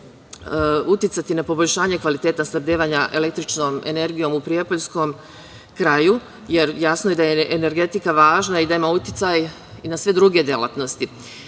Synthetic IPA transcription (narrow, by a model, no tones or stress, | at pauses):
ut̪jɪt̪sat̪inapo̞boʎʲʃaːɲe̞kʋalit̪e̞ːt̪ast̪abd̪eːʋaɲaʔe̞le̞kt̪ɾit͡ʃnome̞̰ne̞ɾɡijo̞mupɾijepoʎsko̞m | kɾaju | je̞ɾjasnoje̞d̪ajeʔene̞ɾɡe̞t̪ikaʋaːʒnaid̪aimaut̪jit̪saj | inasʋe̞d̪ɾuɡe̞d̪jelˠa̰t̪no̞st̪i